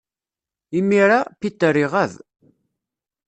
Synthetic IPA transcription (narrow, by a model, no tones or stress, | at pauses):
imiɾapit̪ːəɾiʁæð